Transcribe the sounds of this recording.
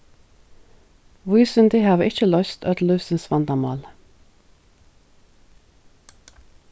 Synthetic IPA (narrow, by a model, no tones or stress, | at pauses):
ʋʉːsʏnd̪ɪhɑːʋəʔɪc͡çəlœʏst̪œt̪lʉːsənsʋɑnd̪ɑmɑ̰ːl